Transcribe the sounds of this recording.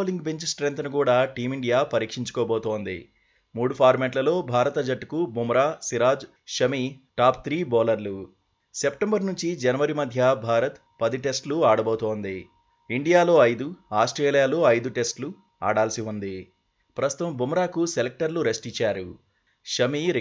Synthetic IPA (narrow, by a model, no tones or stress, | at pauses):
oːliŋɡbe̞ɲt͡ʃsʈɾent̪ɐnukuːɽaːʈiːmiɳɖijaːpɐɾiːkʂiɲt͡ʃu̥kɔːboːt̪oːnd̪ḭ | muːɽupʰaːɾmeːʈlɐlo̞ːbʱaːɾɐt̪ɐd͡ʒɐʈːkubʱumɾaːsiɾaːd͡ʒ | ʃɐmiʈaːpt̪ʰɾiːbɔːlɐɾlu | se̞pʈembɐɾnuɲt͡ʃid͡ʒɐnɐʋɐɾimɐd̪ʱjɐbʱaːɾɐt̪ | pɐd̪iʈe̞sʈluaːɽɐboːt̪oːnd̪i | iɳɖijaːlo̞ːɐjd̪uaːsʈɾeːlijaːloːɐjd̪uʈe̞sʈlu | a̰ːɽaːlɐsiund̪i | pɾɐst̪ŭ̥t̪ɐmbʱumɾaːkuselek̚ʈɐɾluɾe̞sʈit͡ʃːaːɾu | ʃɐmiɾ